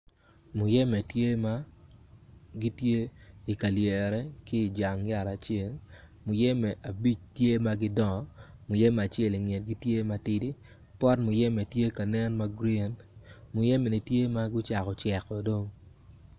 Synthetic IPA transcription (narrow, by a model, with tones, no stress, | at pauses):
mʊ˨jɛ˦mɛ˨tje˦ma˦ | ɡi˦tje˦i˨ka˨ljɛ˨ɾɛ˦ki˦˨d͡ʒa˨ŋja˨ɾa˨t͡ʃɪe˦l | mʊ˨jɛ˦mɛ˨ʔa˨bi˦t͡ʃtje˦ma˦ɡɪ˦dɔ˦˨mʊ˨jɛ˦m˨a˨t͡ʃɛ˦li˨ŋe˨t̚ɡi˦tje˦ma˦tɪ˦di˦ | pɔ˦tmʊ˨jɛ˦me˨tje˦ka˨nɛ˦nma˦ɡɾi˦˨nmʊ˨jɛ˦mɛ˨ni˨tje˦ma˦ɡʊ˦t͡ʃa˨kɔ˨t͡ʃɛ˨kɔ˨do˦ŋ